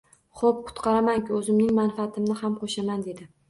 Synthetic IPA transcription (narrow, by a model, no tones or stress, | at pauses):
χop̚kʰʊ̥t̪qʰɑɾamaŋkʲɪɵzɪmnɪŋmanfaːt̪ʰɪmnɪhamqʰoʃamand̪e̞d̪ɪ